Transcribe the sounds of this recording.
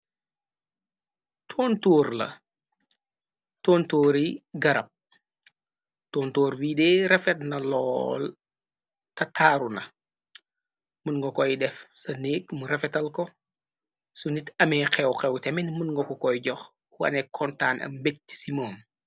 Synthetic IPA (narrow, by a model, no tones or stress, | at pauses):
tʰoːntoːɾlɐ̰ | toːntoːɾiɡɐɾɐp̚ | toːntoːɾwiːdɛɾɛfɛt̚nɐlɔ̰ːl | tɐtʰaːɾunɐ̰ | munŋɡɔkɔjdɛfsɐneːkmuɾɛfɛtɐlkɔ | sunitɐmɛːqɛwqɛwtɛminmunŋɡɔkɔkɔjɟɔx | wɐ̰nɛkʰɔntaːnʔɐ̰mmbek̚ti̥simoːm